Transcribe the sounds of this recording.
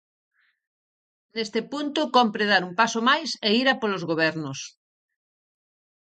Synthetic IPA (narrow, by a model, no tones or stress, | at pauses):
nest̪epunt̪okompɾeðaɾumpasomajseiɾapolozɣoβ̞ɛɾnos